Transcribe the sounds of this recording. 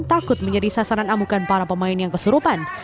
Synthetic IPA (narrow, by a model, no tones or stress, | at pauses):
nt̪akʊt̪̚məɲd͡ʒadisasaɾanamukanpaɾapəmaɪnjaŋkəsuɾupan